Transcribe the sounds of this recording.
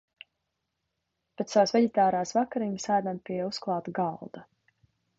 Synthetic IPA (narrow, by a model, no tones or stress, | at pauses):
pɛt̪sawsvɛdit̪aːɾaːsvakaɾiɲsajd̪anpiusklˠɑːt̪ɡalˠd̪a